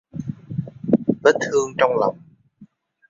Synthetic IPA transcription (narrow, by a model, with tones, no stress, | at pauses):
ɓə˦˥t̚t̪ʰɨ˧əŋt͡ɕɔ˧wŋ͡mla̰˨˩wŋ͡m